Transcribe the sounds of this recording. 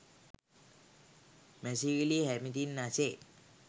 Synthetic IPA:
mɛsiwilihɛmid̪inːaset

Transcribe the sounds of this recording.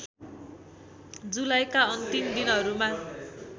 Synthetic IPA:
d͡zulajkaʌnt̪imd̪inɦʌɾuma

